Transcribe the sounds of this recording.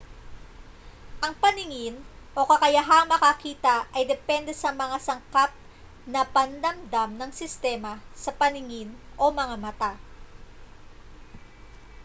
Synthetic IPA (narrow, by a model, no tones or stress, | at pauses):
ʔɐŋpɐnɪŋɪn | ʔo̞kɐkɐjaɦaŋmɐkɐkiːt̪ɐʔɐjd̪ɛpɛnd̪ɛsɐmɐŋasɐŋkap̚ | nɐpɐnd̪ɐmd̪amnɐŋsɪst̪ɛmɐsɐpɐnɪŋɪnʔo̞mɐŋamɐt̪a